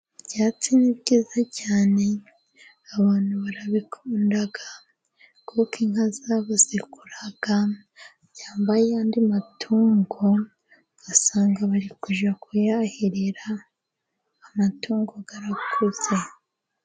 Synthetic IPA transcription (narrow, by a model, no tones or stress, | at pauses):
ɟaːt͡sinibɟiːzacaːne̞ | aβaːn̥huβaɾaβikʰuːndaɡa | kʰokiŋhazaβazikuɾaɡ̥a | ɟaːmbajeandimatʰuːŋɡo | ɡasaːŋɡaβaɾikuʒakʰujahiɾeɾa | matʰuːŋɡoɡaɾakʰuze̞